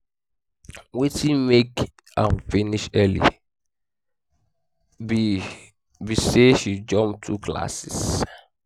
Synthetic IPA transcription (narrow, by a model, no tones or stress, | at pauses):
wetʰĩnmek | ãnfiniʃɛlḭ | bi | biseʃid͡ʒɔ̃mp̚tʰukla̰sis